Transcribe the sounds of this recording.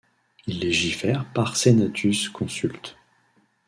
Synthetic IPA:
ilːeʒifɛʁpaʁsenat̪ʰyskʰɔ̃sylt̪

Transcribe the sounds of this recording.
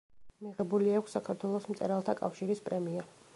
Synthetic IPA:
miʁɛbuliakʷʰsːakʰaɾt̪ʰwɛlˠɔsmt̪sʼɛɾalˠt̪ʰakʼa̰fʃiɾispʼɾɛmia

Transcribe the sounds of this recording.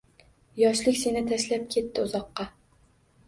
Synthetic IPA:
jɒʃlɪkʲse̞nɪt̪ʰaʃlap̚kʲʰe̞t̪ːɪʊzɒqːɑ

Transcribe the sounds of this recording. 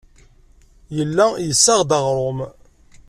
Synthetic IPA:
jəlːæjəsːaʁd̪əʁɾˤom

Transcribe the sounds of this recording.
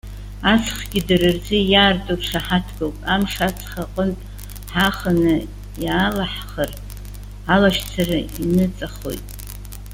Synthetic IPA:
at͡sʰχɡʲɪdɨrɨrzɨjaːrtʼurʂʰaħatʰɡowtʼamʂat͡sʰχaqʼəntʼ | ħaχənɨ | jaːlaħχər | alaʃt͡sʰarainɨt͡sʼaχo̞̰jtʼ

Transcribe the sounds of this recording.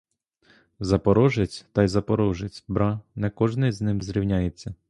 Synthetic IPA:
zɐpɔɾɔʒɪt͡sʲt̪ɐjzɐpɔɾɔʒɪt͡sʲbɾɑnɛkɔʒnɪjznɪmzɾʲiwnʲajet͡sʲːɐ

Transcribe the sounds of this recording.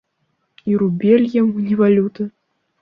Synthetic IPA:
iɾubʲelʲjamunʲɛvalʲut̪ɨ

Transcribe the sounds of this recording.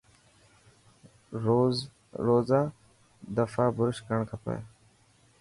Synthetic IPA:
ɾoːz | ɾoːzaː | d̪əfaːbʊɾʃkəɳkʰəpə̰j

